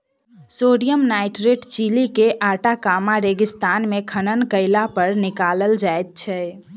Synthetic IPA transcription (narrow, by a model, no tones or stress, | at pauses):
soɽijəmnajʈɾeʈt͡ʃilikeʔaʈakamaɾeɡist̪anmekʰənənkəɪlapəɾnikaləld͡ʒajt̪̚t͡ʃʰɛ